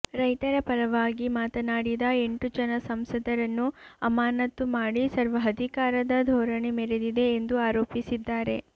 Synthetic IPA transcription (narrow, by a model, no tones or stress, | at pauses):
ɾɐjt̪ɐɾɐpɐɾɐʋaːɡimaːt̪ɐnaːɽid̪ɐe̞ɳʈud͡ʒɐnɐsɐmsɐd̪ʱɐɾɐnːuɐmaːnɐt̪ːumaːɽisɐɾʋɐɦɐd̪ʱikaːɾɐd̪ɐd̪ʱɔːɾɐɳemeɾed̪id̪e̞ːnd̪uaːɾoːpisid̪ːaːɾe̞